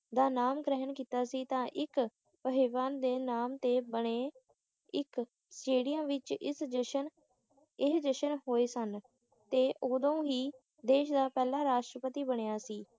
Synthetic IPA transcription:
d̪aːnaːmɡɾɛɦənkiːt̪aːsiːt̪ãːʔɪk | pəɦɪʋaːnd̪eːnaːmt̪eːbəɳeː | ɪk | sʈeːɽijə̃ːʋɪt͡ʃɪsd͡ʒəʃən | ɪsd͡ʒ̪əʃənɦoːeːsən | t̪eːʔoːd̪õːɦiː | d̪eːʃd̪aːpɛːlãːɾaːʃʈɾəpət̪iːbəɳ̃ejaːsiː

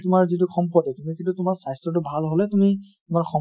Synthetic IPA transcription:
tʊmaɹzit̬ʊxʰɔmpɔdɛtumikĩntutʊmaɹsajstɹɔt̬ʊbʱalɦolɛtumi | tʊmaɹxʰɔ

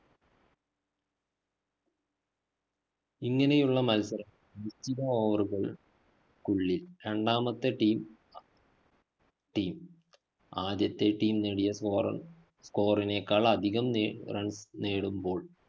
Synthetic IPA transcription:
iŋːɐne̞juɭːɐmɐlsɐɾɐm | ʋitiðɐoːʋɐruɣɐɭ | kuɭːilɾeɳɖaːmɐt̪ːɨʈiːm | ʈiːm | aːd̪jɐt̪ːe̞ʈiːmneːɽijɐrɐ | sko̞ːrineːkːaːɭɐd̪ʱiɣɐmrɐɳsneːɽumbo̞ːɭ

